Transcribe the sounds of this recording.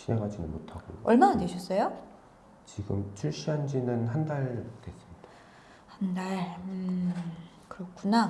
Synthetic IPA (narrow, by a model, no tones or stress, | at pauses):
ɕʰineŋɦad͡ʑinɯnmotʰaɡo̰joʌɭmanadweɕʰʌs͈ʌjo | t͡ɕiɡɯ̰mt͡ɕʰuɭɕ͈iɦand͡ʑinɯnɦandaɭkes͈ɯmɲid̥ḁ | handaɭɯ | kɯɾʌkʰuna